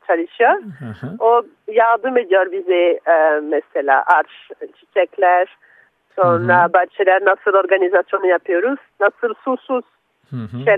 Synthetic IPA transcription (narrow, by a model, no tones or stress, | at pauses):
t͡ʃʰad̪iʃjøɾo | jald̪ɯmed̪ijøɾbizɛmɛsɛlʲa̰ʔaɾʃt͡ʃʰit͡ʃɛklʲæɾ | sonabaɾt͡ʃʰɛlʲæɾnasɯlˠoɾɡanizasjonɯjapʰɯjoɾuz̥nasɯlˠsusuz̥ | ʃɛ